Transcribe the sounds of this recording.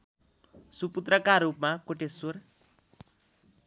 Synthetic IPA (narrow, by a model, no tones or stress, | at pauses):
suput̪rʌkarːupmakoʈesur